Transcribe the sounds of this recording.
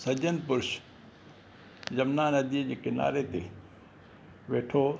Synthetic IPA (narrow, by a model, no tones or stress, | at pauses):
sɐd͡ʑənpʊɾʃ | zɐmnaːnɐd̪id͡ʑeːkɪna̰ːɾet̪e | ʋeːʈʰo